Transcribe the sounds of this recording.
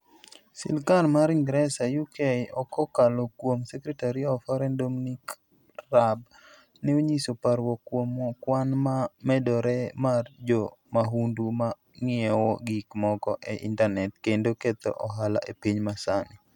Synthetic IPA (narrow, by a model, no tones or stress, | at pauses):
sɪ̰lkalmaɾiŋɡɾɛsajukʰeɔkɔkalokwomsɛkɾɛtaɾiaɔfɔɾɛndominik | rab | nɪoɲisopaɾwɔkwomɔkwanmamɛdɔɾɛmard͡ʒɔmaɦunduma | ŋɪɛwɔɡikmɔkɔʔeʔḭntanɛtkendoket̪ɔ̰ʔɔɦala̰ʔepiɲmasanɪ